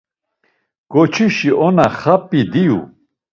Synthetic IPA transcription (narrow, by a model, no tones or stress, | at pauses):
ɡ̥ɔt͡ʃʰiʃiʔɔnaχapʼid̪ijṵ